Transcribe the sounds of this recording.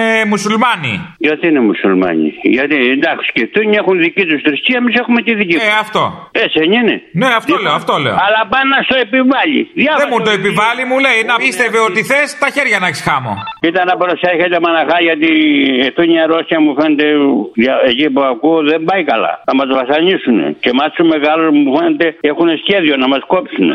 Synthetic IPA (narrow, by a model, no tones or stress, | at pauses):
emusulmɐnḭʝɐt̪inemusulmɐ̰ɲḭʝɐt̪iend̪ɐksi̥sceft̪uɲexunðicit̪ust̪ɾisciɐemise̞xumet̪iðiciɐft̪o̞̰eseɲinḛneɐft̪oleoɐft̪olḛoɐlɐpɐnːɐst̪oepivɐʎḭðjɐvemut̪oepivɐlimuleinɐpist̪eveot̪iθest̪ɐçeɾʝɐnɐksi̥xɐmo̰it̪ɐnɐpɾoseçet̪emɐnɐxɐʝɐt̪ieft̪oiɲɐɾosçɐmufenet̪e̞ðjɐecipɐkuoðembɐikɐlɐ̰nɐmɐzvɐsɐɲisunḛcemɐsumeɣɐlomufenet̪e̞exunesçe̞ðio̞nɐmɐsko̞psunḛ